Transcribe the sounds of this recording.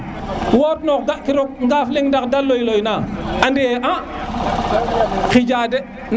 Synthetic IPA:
woːt̚nokɡaʔkiɾɔk̚ŋɡafliŋndakdalːojlojnaandijeʔa | xid͡ʒade | n

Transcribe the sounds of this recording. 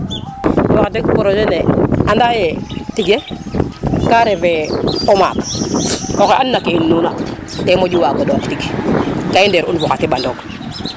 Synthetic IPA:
boxatekpoɾod͡ʒeneandajetiɡe | kaɾeveoma̰t | oxeʔanːakeinːuna | temod͡ʒuwaɡodotiɡkaindeɾunfɔxatibandok

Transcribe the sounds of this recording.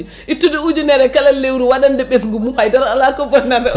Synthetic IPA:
ʔitːuduud͡ʒunɛɾɛkalalːewɾuwaɗandɛɓɛsŋɡumuhajdaɾalakɔbɔnada

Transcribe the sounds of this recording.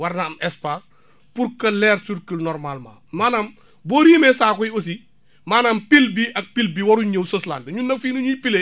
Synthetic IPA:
wɐɾnɐmɛspas | puɾkɐlɛːɾsuɾkilnɔɾmalma̰ːmaːnam | bɔːɾiːmɛsaːkɔjos̬i | maːnɐmpilbiʔɐk̚pilbiwɐɾuɲəwsosla̰ndɲunɐfiːnuɲupile

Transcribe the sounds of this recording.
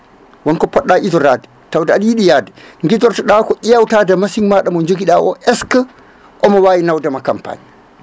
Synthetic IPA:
wɔnkɔpɔɗːaʔizɔɾadɛ̥ | tawdaaɗijiɗijaːdɛŋɡidɔɾtaɗakɔʔijawtaːdamasiŋmaɗamɔɲd͡ʒoɡiɗaʔɔʔɛska | ʔɔmɔwajinawdamakampa̰ːni

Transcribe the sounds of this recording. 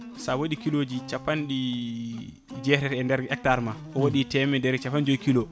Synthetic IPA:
sawoɗikilod͡ʒit͡ʃapːanɗi | d͡ʒɛɾɛɾɛndɛɾɛk̚taɾmaʔɔwoɗitɛmɛdɛɾt͡ʃapːand͡ʒojkilo

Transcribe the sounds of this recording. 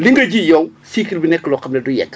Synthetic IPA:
liŋɡɐd͡ʒijɔŋsikilbinɛkːlɔkɐmnɐdujɛ̰kː

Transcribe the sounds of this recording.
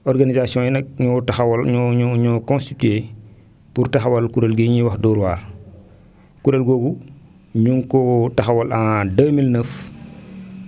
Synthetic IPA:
ɔɾɡanizasiɔ̃ːjinɐk̚ɲɔtaxwlɲɔɲɔɲɔkɔ̃nstite | puɾtaxawalkuɾelɡiɲiwɐxdɔːɾwaːɾ | kuɾɛlɡɔːɡu | ɲuŋkɔtɐxawɐlãdəːmilnəf

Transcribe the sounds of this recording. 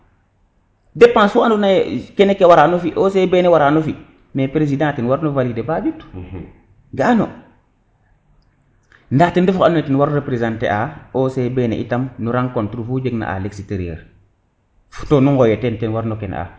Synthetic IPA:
depːãːnswɔandunajkenekewaɾanufiʔosebenewaɾaːnufi | mepɾezidãːtinwaɾnovalidebad͡ʒutːu̥ | ɡaano̰ | ndaːtindufuanɔtinwaɾɾepɾezãntḛʔaosebenɛ̰ʔḭtamnuɾaŋkontɾufud͡ʒeɡna̰ʔa̰leksiteɾjḛːɾ | fu̥tonuŋɡɔjetɛntɛnwaɾnɔkenʔa̰

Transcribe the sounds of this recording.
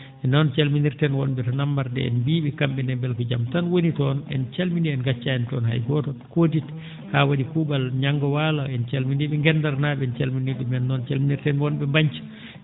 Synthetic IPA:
ʔɛnɔnt͡ʃalminiɾtɛnwɔnɓɛtɔnamːaɾdɛ̰ɛ̰nbiːɓikamɓɛnɛbɛlkɔd͡ʒamtanwonitɔnɛ̰nt͡ʃalmindiɛnɡat͡ʃːaɛntɔnha̰jɡɔtɔkot̬it | hawaɗikubalɲaŋɡɔwalaɛnt͡ʃalmindiɓɛŋɡɛndaɾnaːɓɛɛnt͡ʃalminiɗumɛnːɔnt͡ʃalminiɾtɛnwɔnɓɛmbaɲt͡ʃḁ

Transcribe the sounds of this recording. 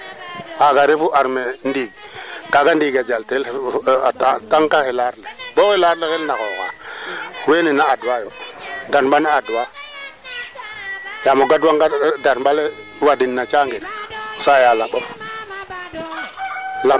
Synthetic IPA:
aɡaɾifuʔaɾmendiːɡkaɡandiɡad͡ʒaltelatataŋkahelaɾlebokelaɾlekelnaxoka̰ | weninaadwajodaɾmbaniadwa | jamoɡadwaŋɡadaɾbale | wadinːat͡ʃaŋɡiɾsajalaɓof | la

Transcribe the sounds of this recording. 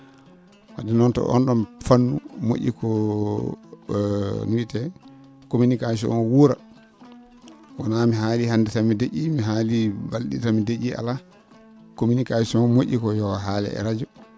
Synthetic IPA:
hadɛnɔntɔ̰ʔɔ̰nɗɔnfanːṵmo̰ʔʲːḭkʰɔ | nuitɛ | kominikas̬ɔ̰nwuɾa̰ | wanamiɦaːlihandɛtamideʔimiɦalibalɗḭtamideʔia̰la | kominikasɔnmoʔʲːikɔjɔwaɦaːlɛ̰ɛ̰ɾad͡ʒɔ

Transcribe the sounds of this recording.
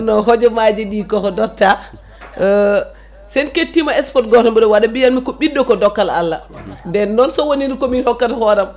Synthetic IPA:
nɔɦɔd͡ʒɛmad͡ʒɛɗiːkɔkɔdɔtːa | sɛnketːimaɛsfɔtɡɔtɔmbɛɗɔwaɗabijanmikɔɓidːɔkɔdɔkːala̰lːa̰dɛnːɔnsɔwoniɾikɔminhɔkːatahɔɾam

